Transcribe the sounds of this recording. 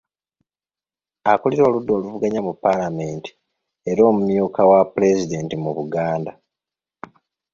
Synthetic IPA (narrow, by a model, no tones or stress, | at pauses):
akoliɾo̞ːludːo̞ːluvuɡaɲamupːalame̞ːnti̥ | e̞ɾo̞ːmumjuːkawapule̞zide̞ːntimuβuɡaːnda